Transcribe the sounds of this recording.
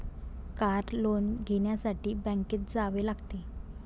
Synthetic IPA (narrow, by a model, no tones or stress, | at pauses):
kaɾlonɡʱeɳjasaʈiːbɛ̃ŋkeːt̪̚d͡zaʋelaɡt̪e